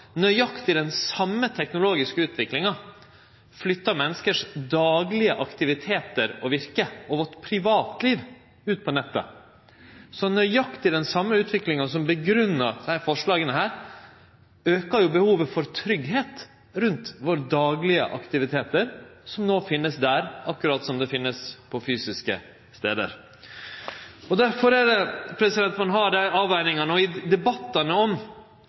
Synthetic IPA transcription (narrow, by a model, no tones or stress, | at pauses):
nœʏjɑkt̪ʰɪld̪ɛnsɑmːət̪ʰɛknʊloːɡɪskəʉːt̪ʋɪklɪŋɑ | flʏt̪ːɑmɛnːəskəʂd̪ɑːɡlɪəʔɑkt̪ɪʋɪt̪ʰeːt̪əɾɔʋɪɾkəʔɔʋɔʈ̪pʰɾɪʋɑːt̪liːʋ | ʉːt̪̚pʰɔnɛt̪ːə̰ | sɔnœʏjɑkt̪ʰɪld̪ɛnsɑmːəʉːt̪ʋɪklɪŋɑsɔmbəɡɾʉnːədɛhæːɾfɔʂɭɑːɡənəɦæːɾ | øːkəɾjʊbəhuːʋəfɔɾt̪ʰɾʏɡɦeːt̪ | ɾʉnt̪ʋoːɾəd̪ɑːɡlɪə̰ʔɑ̰kt̪ɪʋɪt̪ʰeːt̪əɾsɔmnoːfɪnːəsd̪æɾɑkːʉɾɑːt̪sɔmd̪ɛfɪnːəspʰɔfyːsɪskə̰ | st̪eːd̪ə̰ɾ | ɔd̪æɾfɔɾæd̪ɛpʰɾɛsɪd̪ɛnt̪ʋɑnɦɑːɖ̪æɑːʋæɪnɪŋɑnɔɪd̪ɛbɑt̪ːɑnəɔm